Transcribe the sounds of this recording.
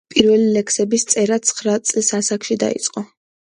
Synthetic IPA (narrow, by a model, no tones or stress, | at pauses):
pʼiɾvɛlilɛksɛbist̪sʼɛɾat̪sʰχɾat̪sʼlisasakʃid̪a̰ḭt̪sʼqʼɔ